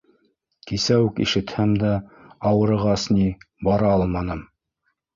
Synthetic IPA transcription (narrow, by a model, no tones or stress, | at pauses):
kisæwkḭʃɘ̆t̪hæmd̪æɑwɤ̆ɾɤ̆ʁɑsni | bɑɾɑɑlˠmɑnɤm